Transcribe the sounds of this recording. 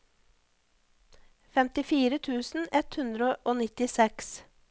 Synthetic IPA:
fɛmt̪ɪfiːɾət̪ʰʉːsn̩ɛt̪hʉnd̪ɾəʔoːnɪt̪ɪsɛks

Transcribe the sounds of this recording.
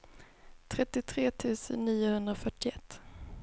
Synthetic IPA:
t̪ʰɾɛt̪ːɪt̪ʰɾeːt̪ʰʉ̟ːsə̰nːiːʊhɵnd̪ɾafœʈːɪɛt̪ː

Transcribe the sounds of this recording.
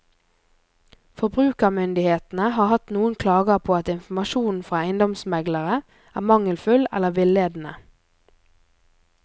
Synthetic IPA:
fɔbʁʉːkəʁmʏnd̪ɪheːt̪n̩əhɑːhɑt̪nuːənkʰlɑːɡəpʰoːɑt̪ɪnfm̩ɑʃuːn̩fʁɑːæɪnd̪ɔmsmɛɡləʁə | æːmɑŋəlfʉlɛ̰ləʋɪleːd̪n̩ə

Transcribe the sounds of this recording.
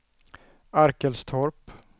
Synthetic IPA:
aɾkəlst̪ʰɔɾp

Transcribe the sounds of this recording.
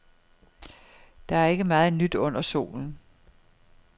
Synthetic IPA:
d̥ɑ̈æɐe̝ɡ̥əmɑ̈ːð̞̩ˠnyd̥ɔ̽n̰ɐso̝̰ːln̩

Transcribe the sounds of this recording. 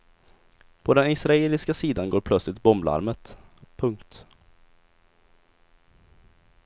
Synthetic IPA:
pʰɔd̪ɛnɪsɾaeːlɪskasiːd̪anɡoːɾpʰlœt̪slɪt̪bɔmbla̰ɾmət̪pʰɵŋkt̪

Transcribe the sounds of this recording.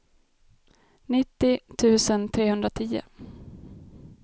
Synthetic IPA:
nɪt̪ːɪt̪ʰʉ̟ːsənt̪ʰɾeːhɵnd̪ɾat̪ʰiːʊ̰

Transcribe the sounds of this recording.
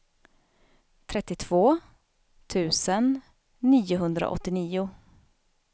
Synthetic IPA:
t̪ʰɾɛt̪ːɪt̪ʰv̥oː | t̪ʰʉ̟ːsənː | iːʊɦɵnd̪ɾa̰ʔɔ̰t̪ːɪniːʊ

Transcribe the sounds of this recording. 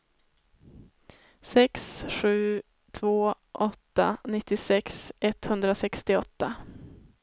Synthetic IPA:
sɛksɧʉ̟ː | t̪ʰvoː | ʔɔt̪ːa̰nɪt̪ːɪsɛksɛt̪hɵnd̪ɾasɛkst̪ɪɔt̪ːa

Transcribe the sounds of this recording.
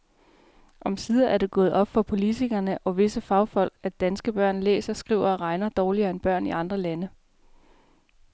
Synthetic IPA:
ʔɒ̽msiːðˠɐæɐd̥e̝ɡ̥ɔ̽ːð̩ˠʔɒ̽b̥fɒ̽pʰo̝lit͡sʰiɡ̥ɐnəʔɒ̽ʋe̝səfɑ̈ʊfɒ̽l̰ɡ̥æd̥ænsɡ̥əb̥ɶɐ̰nlḛːsɐsɡ̥ʁḭʊ̰ɐʁɑ̈ɪnɐd̥ɒːliɐːenb̥ɶɐ̰niɑ̈nd̥ʁɐlænə

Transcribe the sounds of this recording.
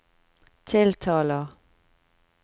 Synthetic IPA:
t̪ʰɪlt̪ʰɑːləʁ

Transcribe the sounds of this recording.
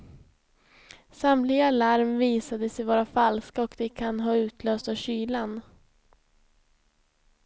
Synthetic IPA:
samlɪɡaalaɾmviːsad̪əsɛjvɑːɾafalskaɔkd̪ɛkʰanɦɑːʉ̟ːt̪ʰløːst̪aɕyːlan

